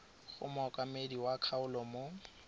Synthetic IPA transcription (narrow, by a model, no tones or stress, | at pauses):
ɣʊ̰mɔkʼamediwakʰaʊlɔmo